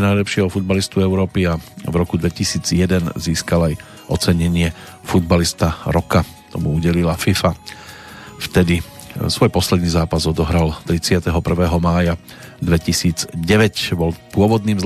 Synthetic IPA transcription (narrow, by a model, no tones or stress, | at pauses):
najlɛpʃɪɛɦɔfud̪̚balist̪uɛʊɾɔːpiavɾɔkud̪ʋɛcisiːd͡zjɛd̪ɛnziːskalaj | ɔt͡sɛɲɛɲɪɛ | fud̪̚balist̪aɾɔka | t̪ɔmuuɟɛlilafifa | ft̪ɛd̪i | sʋɔjpɔslɛd̪niːzaːpazɔd̪ɔɦɾalt̪ɾit͡sɪat̪ɛɦɔpr̩ʋɛːɦɔmaːja | d̪ʋɛcisiːd͡zɟɛʋɛcbɔlpʊɔʋɔd̪niːmz